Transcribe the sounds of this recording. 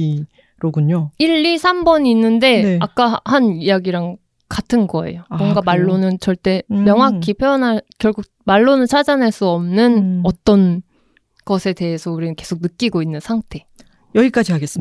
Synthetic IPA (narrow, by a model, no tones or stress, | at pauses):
ɾoɡuɲoiɭːisʰambʌɲiːnːɯnde̞neak̚k͈ahanijaɡiɾaŋ | katʰɯnɡʌe̞̰jomʌŋɡamaɭːonɯnt͡ɕʌɭt͈e̞mjʌŋɦakʰipʰjojʌnɦaɭkjʌɭɡuk̚maɭːonɯɭt͡ɕʰad͡ʑanɦaɭs͈uʌmnɯnʌt͈ʌn | ɡ̥ʌsʰe̞de̞ɦesʰʌuɾinɯnke̞sʰok̚nɯk͈iɡoinːɯnsʰaŋtʰe̞ | jʌɡik͈ad͡ʑiɦaɡes͈ɯ